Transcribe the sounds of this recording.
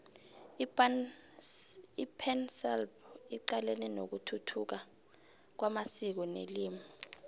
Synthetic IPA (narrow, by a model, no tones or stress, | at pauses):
ipʰɛnsɛlbiǃalɛnɛnok̬utʰutʰuk̬a | k̬wamasik̬ɔneliːmi